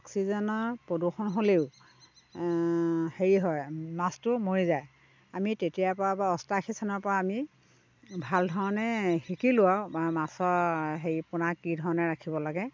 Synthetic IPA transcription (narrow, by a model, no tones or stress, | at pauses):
ɔksizɔnɔɹpɹoduxɔnɦoleʊ | heɹiɦɔjmastʊmoɹizaj | amitetijapɔabaɔstaxʰisanɔɹpɔɹaːmi | bʱaldʱɔɹɔnɛhikilʊwawbamasɔɹɦeɹipʊnakːidʱɔɹɔnɛɹakʰibɔlaɡɛ